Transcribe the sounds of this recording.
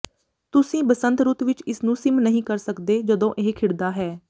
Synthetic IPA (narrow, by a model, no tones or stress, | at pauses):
t̪ʊsĩːbəsənt̪ɾʊt̪ʋɪt͡ʃɪsnũːsɪmnəɦĩːkəɾsəkd̪eːd͡ʒəd̪õːʔeɦkʰɪɽd̪aːɦɛː